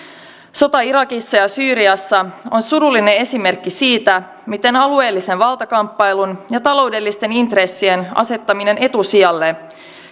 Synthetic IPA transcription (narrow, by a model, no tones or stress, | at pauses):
so̞t̪ɑiɾɑkisːɑjɑsyːɾiɑsːɑo̞nsuɾulːine̞e̞sime̞rkːisiːt̪æ | mit̪e̞nɑlue̞ːlːise̞nʋɑlˠt̪ɑkɑmpːɑjlunjɑt̪ɑlo̞wde̞lːist̪e̞nint̪re̞sːie̞nɑ̰se̞t̪ːɑmine̞ne̞t̪usiɑlːe